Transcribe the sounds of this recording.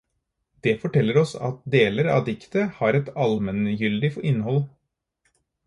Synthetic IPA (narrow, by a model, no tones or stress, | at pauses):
d̪̥ɛfɔʈɛlːəɾɔsɑ̰t̪̚d̪eːləɾɑ̰ːd̪ɪkt̪əhɑːɾɛt̪ɑlmənjʏld̪ɪfɪnːhɔl